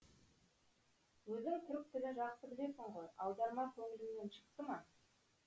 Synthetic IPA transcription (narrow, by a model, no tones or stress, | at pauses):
wɵzɪŋt̪ʰʏɾɪk̚t̪ʰɪɡ̪ɪʒɑqsəbɪle̞sɪɴʁo̞jɑwd̪ɑɾmɑkʲʰɵŋɪlɪmnenʃə̥qt̪əmɑ